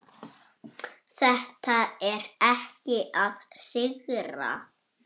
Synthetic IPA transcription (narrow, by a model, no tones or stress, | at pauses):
θɛht̪aɛɾɛhcɪʔaðsɪɣɾa̰